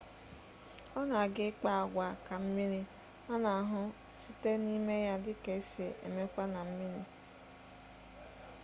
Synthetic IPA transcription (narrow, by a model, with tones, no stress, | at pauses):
ɔ˦na˨a˨ɡɪ˦k͡pa˦a˨ɡʷa˨ka˨m̩˦mi˦ni˦ | a˦na˨a˨ɦʊ˦ | si˦te˦ni˦me˦ja˦dɪ˦ke˨i˦se˨ʔḛ˨me˦kʷa˦na˨m̩˦mi˦ni˦